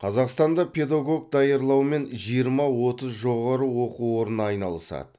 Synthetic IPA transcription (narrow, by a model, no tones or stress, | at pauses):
qʰɑzɑqst̪ɑnd̪ɑpʰʲe̞d̪ɑɡo̞ɡ̚d̪ɑjɑɾlˠɑwme̞nʒijəɾmɑwo̞t̪əzʒo̞ʁɑɾəwo̞quwo̞ɾənɑjnɑlˠəsɑ̰d̪ə